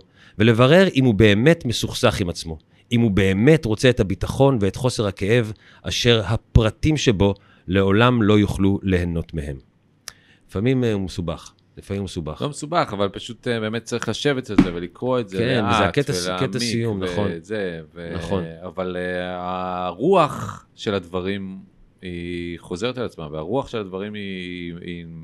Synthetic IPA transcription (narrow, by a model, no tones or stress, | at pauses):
vele̞vaʁe̞ʁʔimhube̞ːme̞tme̞suχsaχimat͡smo̞ | ʔimhube̞ːme̞tʁo̞t͡seethabitaχo̞nveetχo̞se̞ʁhake̞ʔe̞v | ʔaʃe̞ʁhapʁatimʃe̞bo̞ | le̞o̞lamlo̞juχlule̞heno̞tmehe̞m | lifamimumesubaχ | lifamimumesuba̰χlomesubaχavalpaʃutbe̞ːmet̚t͡saʁiχlaʃe̞vetalzevelikʁo̞etzeenveaket̪alakemtaisijumnaχonzevenaχo̞navalaʁuaχ | ʃe̞lad̪vaʁim | iχo̞zeʁet̪alat͡smaveaʁuaχʃelad̪vaʁimii